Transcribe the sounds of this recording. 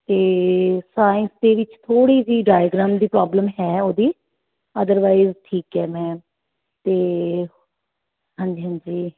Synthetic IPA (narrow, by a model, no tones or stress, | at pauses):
t̪eːsaːɪ̃nsd̪eːʋɪt͡ʃt̪ʰoːɽiːsiːɖaːjɡɾãːmd̪iːpɾaːbləmɦɛːoːd̪iː | əd̪əɾʋaːizʈʰiːkɦɛːmɛ̃ː | t̪eː | ɦãːɲd͡ʒiːɦãːnd͡ʒiː